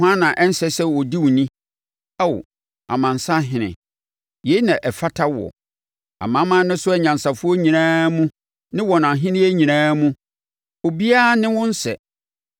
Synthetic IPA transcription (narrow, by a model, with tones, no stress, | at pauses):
ã˦nã˨ʔɛ˦n̩˦sɛ˦sɛ˦wɔ˨di˦wʊ˨nĩ˦ | a˦˨w | a̰˨mã˨n˨sa˦ɦɪ̃˨nɪ̰̃˨ | je˨˦nã˨ʔɛ˨fa˦tʰa˦wɔ̰˨ | a̰˨mã˨˦mã˦nɪ̃˦sʊ˦ɛ˦ɲã˨nsa˨fʊ˦ɔ˦ɲĩ˨ãː˦mũ˦ | nɪ̃˦wɔ˨nã˨ɦɪ̃˦nɪ̃˦e˦ɲĩ˨nãː˦mũ˦ | o˨bi˦a˦nɪ̃˦wʊ̃˦n˦sɛ˨